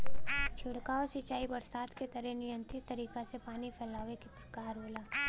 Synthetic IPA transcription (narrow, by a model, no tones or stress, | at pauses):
t͡ʃʰʊɽkaɔsit͡ʃaːibɐɾsaːd̪ket̪ɐɾɛnɪjə̃nt̪ɾɪt̪ːɐɾiːkasepaːnipʰɛːlaːʋekit̪kaːɾɦoːlaː